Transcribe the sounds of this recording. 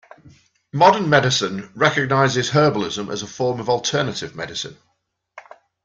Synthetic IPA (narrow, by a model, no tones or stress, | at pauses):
mɒdənmɛdɪsə̃nɹɛkəɡ̚naɪzɪz̥ɦɜːbəlɪzə̃mʔə̰zəfɔːməvɔlˠtʰɜːnətɪvmɛdɪsɪ̰̃n